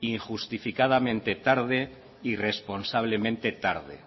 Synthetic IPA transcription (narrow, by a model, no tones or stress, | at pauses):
iŋxust̪ifikað̞amẽ̞nt̪e̞t̪aɾð̞e | ire̞spo̞nsaβ̞le̞mẽnt̪e̞t̪aɾð̞ḛ